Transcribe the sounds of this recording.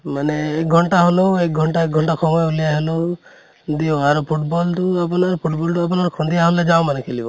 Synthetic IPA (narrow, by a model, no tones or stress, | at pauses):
maneːk̚ɡʱɔɳʈaɦɔluek̚ɡʱɔɳʈaek̚ɡʱɔɳʈakʰɔmɔeulijaɦelu | d̪iɔaɾupʰuʈbɔlʈ̪uapɔnaɾupʰuʈbɔlʈuapɔnaɾkʰɔ̃nd̪ijaɦɔnled͡ʒaw̃manekʰelibɔ